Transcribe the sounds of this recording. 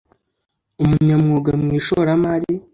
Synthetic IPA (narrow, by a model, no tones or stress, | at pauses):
umuɲamŋuːɡamŋiːʃoɾamaɾi